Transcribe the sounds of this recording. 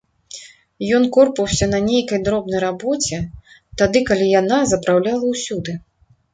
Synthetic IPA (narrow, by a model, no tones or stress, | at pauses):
jɔnkɔrpɐwsʲɐnɐnʲejkɐjd̪ɾɔbn̪ɐjrabɔt͡sʲɛ | t̪ad̪ɨkalʲijanazɐpɾawlʲalˠɐwsʲud̪ɨ